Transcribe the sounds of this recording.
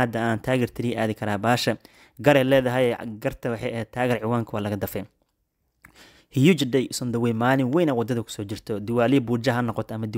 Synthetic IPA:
ɐd̪ɐaːnt̪ʰaːɣɛrt̪ʰɪɾiʔaːðɪkʰɐɾaːbaːʃɐ | ɡɐɾɛːlɛːðɐɦɛjɛɡɐrt̪ʰɐwħɛɛːt̪ʰaːɣɛːɾʕɪwaːŋkʰɐwaːlɐɣɐd̪ɐfɛ | hɪjut͡ʃɪdɛjsɔnd̪ɐwɛjmaːlɪŋwɛjnɐwɑd̪ɐðɐkʰʊ̥sɔːt͡ʃɪrt̪ʰɔd̪ɪwaːliːbuːd͡ʒɐɦɐnɔqɔt̪ʰɐmɐd̪ɪ

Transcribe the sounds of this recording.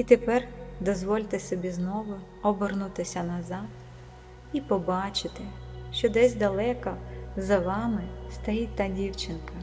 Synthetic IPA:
it̪epɛrd̪ɔzʋɔlʲt̪ɪsɔbʲiznɔʋʊ | ɔbernut̪ɪsʲɐnɐzɑt̪ | ipɔbɑt͡ʃɪt̪ɪʃt͡ʃɔd̪ɛzʲd̪ɐlˠɛkɐzɐʋɑmɪst̪ɐjit̚ʲt̪ːɐdʲiwt͡ʃɪnkɐ

